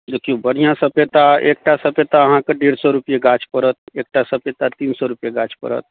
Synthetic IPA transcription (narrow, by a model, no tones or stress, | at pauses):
d̪eːkʰijobəɽijãsəpet̪aeːk̚ʈʰasɐpet̪aɐɦãkeɖeːɾsɔɾʊpijeɡaːt͡ʃʰpəɾət̪̚eːk̚ʈʰasəpet̪at̪iːnsɔɾʊpijeɡaːt͡ʃʰpə̰ɾə̰t̪